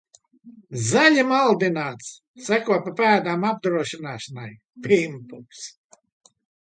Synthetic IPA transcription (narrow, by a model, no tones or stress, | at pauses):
zalʲimalˠd̪inaːt̪sː | ækuɔpapæːd̪aːmab̚d̪ɾuɔʃinaːʃanaj | pʲimpums